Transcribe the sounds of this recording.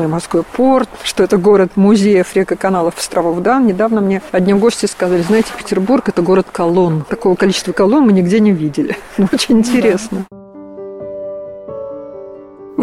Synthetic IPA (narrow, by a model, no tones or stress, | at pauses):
ojmɐskojpʰo̞rt̪ʂt̪o̞ɛt̪əɡo̞ɾət̪mʊzʲejəfɾʲekəkɐnalˠəfst̪ɾʔɐvovd̪annʲɪd̪avnəmnʲeɐdʲnʲiɡo̞sʲtʲɪskɐzalʲɪznajɪtʲɪ̥pʲɪ̥tʲɪrburkɛt̪əɡo̞ɾət̪kɐlˠo̞nt̪ɐko̞vəkɐlʲit͡ɕɪst̪vəkɐlˠo̞nmɨnʲɪɡdʲenʲɪvʲidʲɪlʲɪnuot͡ɕɪnʲɪnʲtʲɪɾʲe̞snə